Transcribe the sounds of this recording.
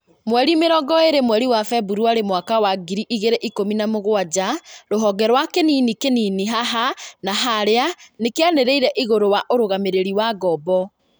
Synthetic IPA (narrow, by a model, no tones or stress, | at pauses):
mwɛɾimeɾɔɡɔeɾemwɛɾiwafɛbuɾuaɾemwakawaɡiɾiʔiɣeɾeʔikominamoɣwad͡ʑaɾoɦɔɡɛɾwakeninikeniniɦaɦanaɦaɾeanekeaneɾeiɾɛʔiɣoɾowaʔoɾoɣameɾeɾiwaɡɔbɔ